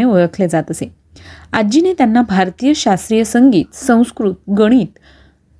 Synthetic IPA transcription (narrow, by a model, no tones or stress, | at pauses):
eoɭəkʰled͡zat̪əse | ad͡ʑinet̪janːabʱaɾt̪ijəɕast̪ɾijəsəŋɡiːt̪sə̃w̃skɾut̪̚ɡəɽ̃iːt̪